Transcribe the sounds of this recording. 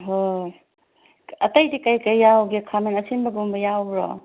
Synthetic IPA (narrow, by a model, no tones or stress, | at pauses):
ɦo | ɐtɐjdikɐjkɐjːawɡekʰamenɐsinbɐɡumbɐjawɾɔ̰